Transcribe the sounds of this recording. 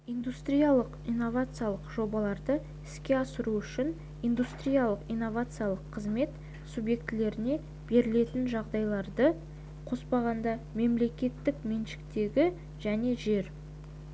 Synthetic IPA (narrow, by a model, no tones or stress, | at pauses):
ijnd̪ust̪ɾʲijalˠəqijnːo̞vat̪sɨjalˠəqʒo̞bɑlˠɑɾd̪ə | ɪskʲe̞ɑsəɾuʏʃɪn | ijnd̪ust̪ɾijalˠəqijnːo̞vat̪sɨjalˠəqʰːəzme̞t̪ | subje̞k̚t̪ːɪle̞ɾɪne̞ | b̥e̞ɾɪle̞t̪ɪnʒɑʁd̪ɑjlˠɑɾd̪ə | qʰo̞spɑʁɑnd̪ɑme̞mle̞kʲe̞t̪ːɪkme̞nʃɪ̥k̚t̪e̞ɡʲɪ | ʒ̥æne̞ʒe̞ɾ